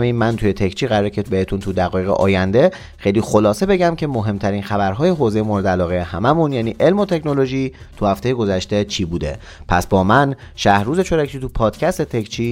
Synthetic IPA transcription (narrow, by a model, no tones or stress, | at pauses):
minmænt̪ʰuje̞t̪ʰecʰt͡ʃʰiːɣæɾɒːɾecʰebe̞he̞t̪ʰunt̪ʰud̪æɣɒːje̞ɣḛʔɒ̰ːjænd̪e̞ | xejliːxo̞lɒːse̞be̞ɟæmcʰe̞moɦemt̪ʰæɾiːnxæbæɾɦɒːje̞ɦoːze̞jemoːɾe̞d̪eælɒːɣejehæmæmunjæːniːʔe̞lmot̪ʰe̞cno̞lo̞ʒiːt̪ʰuhæft̪e̞je̞ɡo̞zæʃt̪e̞t͡ʃʰiːbuːd̪e̞̰ | pʰæsbɒːmæn | ʃæhɾuːze̞t͡ʃʰoɾækʰiːt̪ʰupʰɒːd̪̥cʰæst̪e̞t̪ʰe̞kt͡ʃʰiː